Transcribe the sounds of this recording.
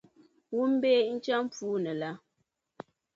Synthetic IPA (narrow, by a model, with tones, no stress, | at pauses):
wu˦m̩˦beː˦n̩˦t͡ʃa˦m˦p͡fuː˦nə˨la˦